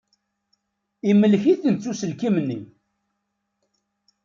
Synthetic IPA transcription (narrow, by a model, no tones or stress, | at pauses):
imːəlːçiθənt͡sːusəlkimnːḭ